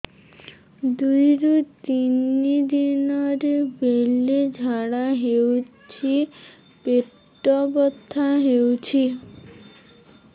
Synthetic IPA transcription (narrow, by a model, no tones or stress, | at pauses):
d̪ujɾut̪inid̪inɔɾbeled͡ʒʱaɽaɦewt͡ʃʰi | peʈː | ɔbɔt̪ːaɦewt͡ɕʰi